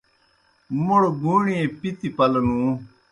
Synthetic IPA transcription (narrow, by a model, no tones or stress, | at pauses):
moɽɡuːɳiẽpit̪ipɐlɐnũː